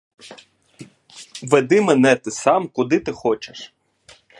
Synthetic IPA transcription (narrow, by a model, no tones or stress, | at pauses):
ʋed̪ɪmenɛt̪ɪsɑmkʊd̪ɪt̪ɪxɔt͡ʃeʃ